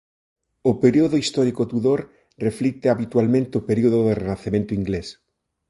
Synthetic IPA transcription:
opeɾioðoist̪ɔɾikot̪uðoɾ | reflik̚t̪eaβit̪walmẽnt̪ɪopeɾioðoðerenaθemẽnt̪ʊiŋɡles

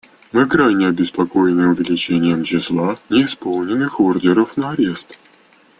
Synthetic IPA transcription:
mɨkɾanʲɪɐbʲɪspɐko̞jɪnɨjʊvʲɪlʲɪt͡ɕenʲɪjəmt͡ɕɪslˠanʲɪːspolˠnʲɪnːɨxordʲɪɾəfnəɐɾʲest̪

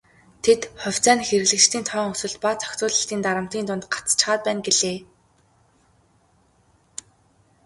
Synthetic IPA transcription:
t̪ʰet̪χɔwʲt͡sæːnxeɾɘ̆ɣɮɘ̆kt͡ɕt̪ʰiːnt̪ʰœːŋɵsɵ̆ɮt̪pat͡sʰœ̥kt͡sʊːɮə̆ɬt̪iːnt̪aɾə̆m̥t̪iːnt̪ʊnt̪ɢḁt͡st͡ɕχaːt̪̚pæːnɡeɮeː

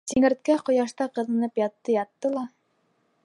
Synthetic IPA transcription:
t̪iŋɘ̆ɾt̪̚kæqŏjɑʃt̪ɑqɤ̆ðɤ̆nɤpjɑt̪ːɤjɑt̪ːɤlˠɑ

